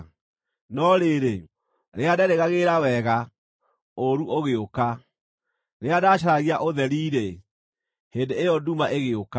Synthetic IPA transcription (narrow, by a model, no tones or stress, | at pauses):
nɔɾeɾe | ɾeadaɾeɣaɣeɾawɛɣa | oɾuʔoɣeoka | ɾeadaːʃaɾaɣiaʔoðɛɾiːɾe | hendeejɔdumaʔeɣeoka